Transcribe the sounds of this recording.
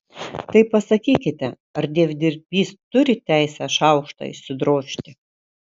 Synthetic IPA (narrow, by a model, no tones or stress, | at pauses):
t̪ɐɪpɐsɐkʲiːkʲɪt̪ʲɛ | ɐɾd̪ʲeːʋʲd̪ʲɪɾʲpʲiːst̪ʊɾʲɪt̪ʲæˑɪsʲɛʃɐʊkʃt̪ɐ̰ɪ̰ʃsʲɪd̪ɾoːʃʲt̪ʲɪ